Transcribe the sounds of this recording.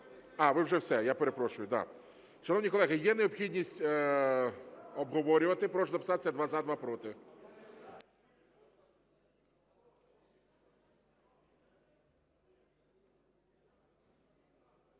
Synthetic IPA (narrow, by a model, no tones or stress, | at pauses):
ɑʋɪwʒɛwsɛjapeɾepɾɔʃʊjʊd̪a̰ | ʃɐnɔʋwnʲikɔlˠɛɦɪjɛneɔpxʲidʲnʲisʲtʲ | ɔbɦɔʋɔɾʲʊʋɐt̪ɪpɾɔʒzɐpɪ̥sɑt̪ɪsʲɐd̪ʋazad̪ʋapɾɔt̪ɪ